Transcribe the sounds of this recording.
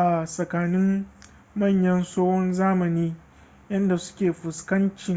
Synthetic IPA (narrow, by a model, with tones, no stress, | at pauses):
ʔa˨sɐ˨kaː˨nɪ˦m | mɐ˦˨ɲjɐ˦nsoː˦hɔ˦nzaː˦mɐ˨niː˦ | jɐ˦nda˨sʊ̥˦kʲeː˨ɸʊ˨skɐ˦nt͡ʃɪ˨ŋ